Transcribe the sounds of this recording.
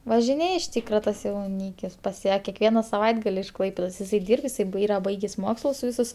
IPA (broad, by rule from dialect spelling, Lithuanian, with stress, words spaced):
ʋɐʒʲɪˈnʲeːj ɪʃ ˈtʲiːkrɐ ˈtɐs jɛʊˈnʲiːkʲɪs pɐs ˈjæː kʲɛkˈʋʲiɛnɐ sɐˈʋɐɪdɡɐlʲ ɪʃ ˈklˠɐɪpʲeːdoːs ɪˈsɐɪ ˈdʲiːrp ɪˈsɐɪ ˈbɐɪ ˈiːrɐ ˈbɐɪɡʲeːsʲ ˈmoːkslˠʊs ˈʋʲɪsʊs